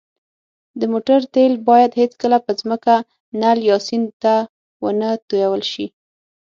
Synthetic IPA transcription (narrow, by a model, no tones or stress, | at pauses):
d̪əmoʈaɾt̪elbɑjad̪het͡skəlapəzməka | naljɑsint̪a | wənət̪ujawəlʃi